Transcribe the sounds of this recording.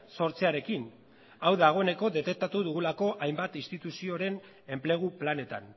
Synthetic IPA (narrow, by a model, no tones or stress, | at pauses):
so̞ɾt͡seaɾe̞kin | awðaɣ̞o̞e̞ne̞ko̞ðe̞t̪e̞k̚t̪at̪uðuɣulako̞ʔajmbat̪inst̪it̪usio̞ɾe̞n | e̞mple̞ɣ̞uplane̞t̪a̰n